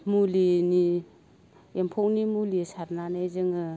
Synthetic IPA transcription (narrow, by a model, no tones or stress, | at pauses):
mulini | empʰownimulisaɾnanajzɯŋɯ